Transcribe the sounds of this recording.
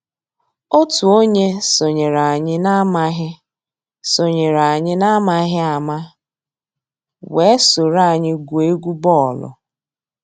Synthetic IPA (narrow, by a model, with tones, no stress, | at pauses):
o˦tu˨o˦ɲe˦so˨ɲe˨ɾa˨a˨ɲɪ˦na˦ma˦ɦɪ˦ | so˨ɲe˨ɾa˨ɲɪ˦na˦ma˦ɦɪ˦a˨ma˦ | we˨˦sʊ˨ɾa˦˨ɲɪ˦ɡu˨e˦ɡʷu˦bɔ˦˨lʊ̰˨